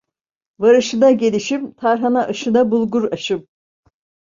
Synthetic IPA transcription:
vaɾɯʃɯnaɟe̞lʲiʃimt̪ʰaɾɦanaʔɯʃɯnabulˠɡuɾaʃɯm

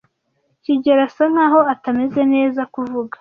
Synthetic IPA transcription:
ciɟeɾasan̥haːɦo̞atame̞ze̞ne̞ːzakuvuɡḁ

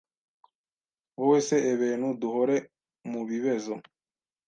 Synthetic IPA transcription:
woweseʔeβeːnuduhoɾe | muβiβezo

